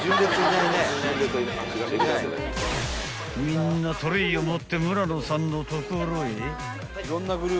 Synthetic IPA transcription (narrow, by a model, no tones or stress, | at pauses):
d͡ʑɨ̃nd̪et͡sinained̪et̪ojkãɲiɡad̪ek̪a̰ | mʲĩnːat̪ʰoɾɯiomot̪ːe̞mɯ̟ɾanosãnːot̪okɯɾoi | iɾõnːaɡɯ̟ɾʲɯ